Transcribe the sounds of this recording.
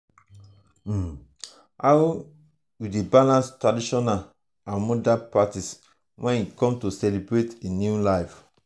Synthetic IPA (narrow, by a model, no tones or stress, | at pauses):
aw | judebalãnstɹadiʃɔna | ãnmɔdapatis | wʔɛ̃nikɔ̃mtosɛlibɹetenjulaɪf